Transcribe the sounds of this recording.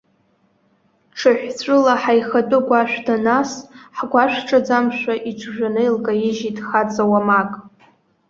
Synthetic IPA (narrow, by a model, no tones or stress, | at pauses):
ʈ͡ʂʰaħᶣʷt͡sʷʰʼɨlaħajχat͡pʼʊɡʷʼaʃʷᶣdanasħɡʷaʃʷʈ͡ʂʼad͡zamʃʷaʔit͡ʃʷʰʒᶣʷanɨilkʼajɪʒidχat͡sʼawamakʼ